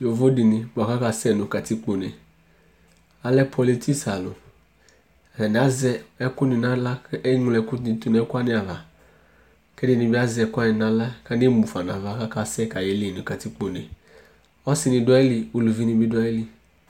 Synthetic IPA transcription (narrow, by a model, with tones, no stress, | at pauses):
jo˨vo˦dɪ˨nɪ˨bʊ˨a˨ka˦ka˧˨sɛ˦˨nʊ̃˨ka˨ti˦k͡po˨ne˨ | a˨lɛ˦pʰɔ˨li˦tʰi˦sa˨lʊ̰˨ | a˨nɪ˨a˦zɛ˧ɛ˦kʊ˦nɪ˨na˦la˦ɛ˦ŋʊ˨lɛ˦kʊ˦ni˧tu˨n˨ɛ˦ka˦nɪ˦a˨va˨ | kɛ˦dɪ˦˨nɪ̃˨bɪ˦a˦zɛ˧˨˦kʊ˦a˦nɪ˨na˨la˦ka˦nɪ˦mu˨fa˨na˨va˨ka˦ka˦˨sɛ˦˨ka˨jɛ˨˦li˦˨nʊ̃˨ka˨ti˦k͡po˨ne˨ | ɔ˦sɪ˨nɪ̃˧˨dʊ˦a˦ɛ˦li˨o˨lu˨vi˦nɪ̃˧bi˦da˦i˦li˨